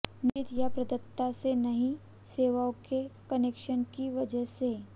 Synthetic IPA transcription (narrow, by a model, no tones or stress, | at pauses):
nt̪japɾɐd̪ət̪ːasenɐɦĩ | seːʋaõkekɐnekʃənkiʋɐd͡ʒəse